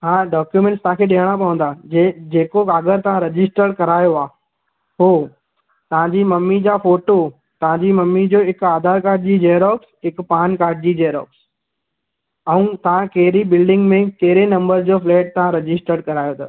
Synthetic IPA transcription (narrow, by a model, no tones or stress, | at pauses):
ɦãːɖaːkjumɛ̃ɳʈst̪ɐ̃ɦãkʰeɗeɦəɽ̃apɐʋə̃n̆d̪aːd͡ʑeːkokaːɡəɾt̪ɐʋ̤ãɾɐd͡ʑɪsʈəɾɽkɐɾaːjoaː | ɦoː | t̪ɐʋ̤ãɲd͡ʑiːmɐmːid͡ʑaːfoːʈo | t̪ɐʋ̤ãɲd͡ʑimɐmːid͡ʑoːɦɪkaːd̪ʱaːɾkaːɾɖ̚d͡ʑiːd͡ʑeːɾɔːksɦɪkpaːnkaːɾɖ̚d͡ʑiːd͡ʑeːɾɔ̰ːks | ɛ̃ũt̪ɐʋ̤ãkɐɦɪɾibɪlɖɪ̃ŋɡmẽkɐɦɪɾenɐ̃mbəɾzd͡ʑoːflɛːʈ̚t̪ɐʋãɾɐd͡ʑɪsʈəɾɖkɐɾaːjot̪ʰo